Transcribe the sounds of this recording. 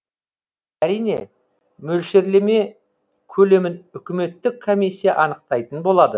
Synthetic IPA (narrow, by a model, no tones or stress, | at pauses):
æɾijne̞̰ | mɵlʃe̞ɾle̞me̞ | kʲʰɵle̞mɪnʏkʲɪme̞t̪ːɪkʰːo̞misʲːijɑʔɑnəq̚t̪ɑjt̪ənbo̞lˠɑd̪ə